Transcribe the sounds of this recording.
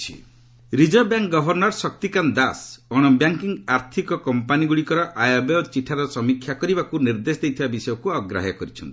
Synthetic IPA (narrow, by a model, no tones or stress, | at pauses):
t͡ʃʰi | ɾid͡ʒɔbjaŋkɡɔbʱɔɾnɔɾsɔk̚t̪ikand̪asɔɽ̃ɔbjaŋkiŋɡaɾt̪ʰikɔkɔmpaniɡuɽikɔɾɔʔajɔbet͡ʃiʈʰaɾɔsɔmikʰjakɔɾibakuniɾd̪esɔd̪ejt̪ʰibabisɔjɔkuɔɡɾa̰ɦjɔkɔɾit͡ʃʰɔnt̪i̥